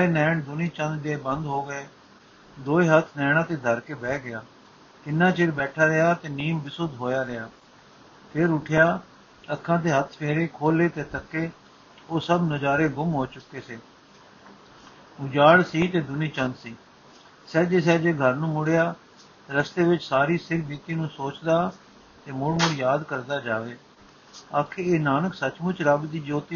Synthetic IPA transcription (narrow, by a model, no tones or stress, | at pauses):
eːnɛːɳd̪ʊniːt͡ʃə̃nd̪d̪eːbənd̪ɦoːɡəeː | d̪oːeːɦət̪ʰnɛːɽ̃ãːt̪eːd̪ʱəɾkeːbɛːɡɪjaː | kɪnːãːt͡ʃɪɾbɛːʈʰaːɾɪjaːt̪eːniːmbɪsʊd̪ɦoːjaːɾɪjaː | pʰeɾʊʈʰjaː | əkʰːãːt̪eːɦət̪ʰpʰeːɾeːkʰoːleːt̪eːt̪ʰəkːeː | oːsəbnəd͡ʒaːɾeːɡʊmɦoːt͡ʃʊkːeːseː | ʊd͡ʒaːɽsiːt̪eːd̪ʊniːt͡ʃə̃nd̪siː | sɛːd͡ʒeːs̬ɛːd͡ʒeːɡʱəɾnũːmʊɽejaː | ɾəst̪eːʋɪt͡ʃsaːɾiːsɪkʰbiːt̪iːnũːsoːt͡ʃd̪aː | t̪eːmʊɽmʊɽjaːd̪kəɾd̪aːd͡ʒaːʋeː | aːkʰeːeːnaːnəksət͡ʃmʊt͡ʃɾəbd̪iːd͡ʒoːt̪iː